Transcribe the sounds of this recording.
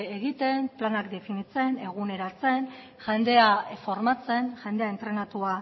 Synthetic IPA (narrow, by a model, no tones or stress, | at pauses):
eɣit̪e̞mplanakd̪e̞finit͡se̞ne̞ɣ̞une̞ɾat͡se̞n | ʝe̞nd̪e̞afo̞ɾmat͡se̞nʝe̞nd̪e̞aent̪ɾe̞nat̪ua